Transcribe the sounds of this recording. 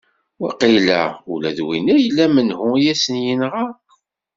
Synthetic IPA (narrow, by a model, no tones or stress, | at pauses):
wæqilæ̰ṵlæ̰ðwinæjəlːæmənhʊjæsənjənʁɑ